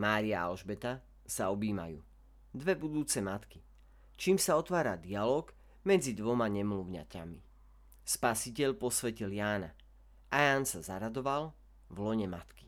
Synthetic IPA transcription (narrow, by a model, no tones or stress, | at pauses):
maːɾiaa̰lʒbɛt̪a | saɔbiːma̰jṵː | d̪ʋɛbud̪uːt͡sɛmat̪ki | t͡ʃiːmsaɔt̪ʋaːɾad̪ialɔːɡ | mɛd͡zid̪ʋɔmaɲɛmluʊɲa̰ca̰mi | spasicɛʎpɔsʋɛciljaːna | ajaːnsazaɾad̪ɔʋal | vlɔɲɛmat̪ki̥